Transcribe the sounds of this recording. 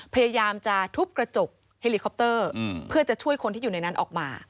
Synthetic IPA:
pʰa˧jaː˧jaː˧mt͡ɕa˨˩t̪ʰu˦˥p̚kɾa˧t͡ɕo˨˩k̚ | he˧liː˧kʰɔ˧˦˥p̚t̪ɤː˥˩pʰɯ˥˩ɐt͡ɕa˨˩t͡ɕʰu˥˩əjkʰo˧nt̪ʰiː˥˩˨uː˨˩na˧jna˦˥nʔɔ̰ː˨˩k̚ma̰ː˧

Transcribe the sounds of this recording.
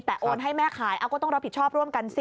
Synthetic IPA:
t̪ɛ˨˩ʔoː˧nɦa˥˩jmɛː˥˩kʰaː˩˦jʔaː˧kɔː˥˩ɔ˥˩ŋɾa˦˥p̚ʰi˨˩t͡ɕʰɔː˥˩p̚ɾu˥˩əmka˧ns

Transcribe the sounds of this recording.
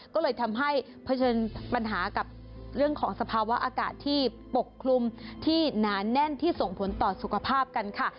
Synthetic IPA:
kɔː˥˩lɤː˧jt̪ʰa˧mɦa˥˩j | pʰa˧˦t͡ɕʰɤː˧npa˧nɦaː˩˦ka˨˩p̚ | ɾɯ˥˩əŋkʰɔː˩˦ŋsa˧pʰaː˧wa˦˥ʔaː˧ka̰ː˨˩t̪ʰːiː˥˩ | po˨˩kʰːlu˧mt̪ʰiː˥˩naː˩˦˥nɛ˥˩nt̪ʰiː˥˩so˨˩ŋpʰo˩˦nt̪ɔː˨˩su˨˩kʰa˧pʰaː˥˩p̚ka˧nkʰa˥˩

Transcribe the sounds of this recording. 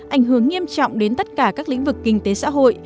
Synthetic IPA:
ʔa˧˩jŋ̟ɦɨ˧˩əŋːi˧əmt͡ɕɔ̰˧˨wŋ͡mɗe˨˦nt̪ə˦˥t̚kaː˧˩kaː˦˥k̚lḭ̈˧˥ŋ̟vɨ˨˩kːï˧ŋ̟t̪e˨˦sa̰ː˧˥ɦo̰˧˨j

